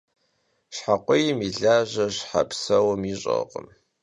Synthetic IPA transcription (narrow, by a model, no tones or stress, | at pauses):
ɕħaqʷʼɔjmiɮaːʒɐɕħa̰psɐwɐmiɕʼɐ̰qə̰m